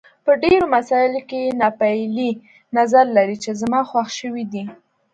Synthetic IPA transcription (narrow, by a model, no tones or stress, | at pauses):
pəɖeɾomasɑɪlokenɑpajli | nazaɾlaɾit͡ʃezamɑxwaxʃəwid̪i